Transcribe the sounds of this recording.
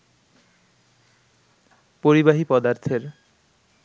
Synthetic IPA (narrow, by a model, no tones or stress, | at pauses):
poɾibaɦipɔd̪aɾt̪ʰeɾ